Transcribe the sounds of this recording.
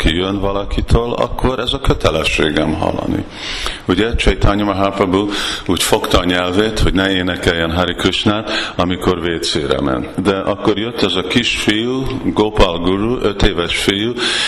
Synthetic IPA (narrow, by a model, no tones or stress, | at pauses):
kijønvɒlɒkit̪ʰoːlɒ̰kʰːo̞ɾɛzɒkøt̪ʰɛlɛʃːḛːɡɛmɦɒ̰lːɒ̰nḭ | uɟɛt͡ʃɛjt̪ʰaɲomaɦapaboːuːcfo̞kt̪ɒːɲɛlveːt̪ho̞ɟnɛeːnɛkɛjɛnɦaɾikyʃnaːt̪ɒmiko̞rveːt̪seːɾɛ̰mɛ̰nt̪d̪ɛʔɒkːo̞rjøt̪ːɛzɒkiʃfijuɡopalɡuɾuʔøt̪eːvɛʃfiju